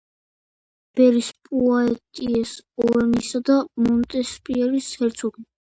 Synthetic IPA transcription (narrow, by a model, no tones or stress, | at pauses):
b̥ɛɾispʼuaɛt̪ʼiɛsɔɾɛnisad̪amɔnt̪ʼɛspʼiɛɾishɛɾt̪sʰɔɡi